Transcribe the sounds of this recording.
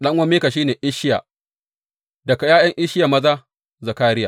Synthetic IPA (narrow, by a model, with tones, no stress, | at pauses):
ɗɐ˦ŋwʷɐ˦meː˦ka˨ʃiː˦neː˨ʔɪ˦ʃɪ˦ja̰ː˨ | dɐ˨ka˨jaː˦jɐ˦ŋʔɪ˦ʃɪ˦ja˨mɐ˦zaː˦ | zɐ˨kaː˦ɾɪ˦jaː˨